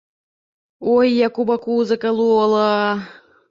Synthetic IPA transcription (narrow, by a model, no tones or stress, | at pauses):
ojːakubakuːzɤkalˠuolˠɤ